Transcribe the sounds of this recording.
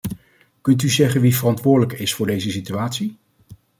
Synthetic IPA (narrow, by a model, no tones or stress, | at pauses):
kɵnt̬yzɛχənʋivərɑntʋʊːɹdələkɪsfʊːɹdejzəsityaːtsi